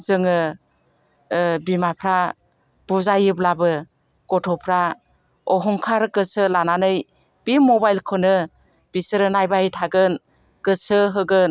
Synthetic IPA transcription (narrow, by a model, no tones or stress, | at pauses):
zɯŋɯ | bimapʰɾa | b̥uzajɯblabɯ | ɡ̥ɔtʰɔpʰɾa | ɔɦɔŋkʰaɾɡɯsɯlananɯj | b̥imɔbajlkʰɔnɯ | b̥isɯɾɯnajbaitʰaɡɯn | ɡ̥ɯsɯɦɯɡɯn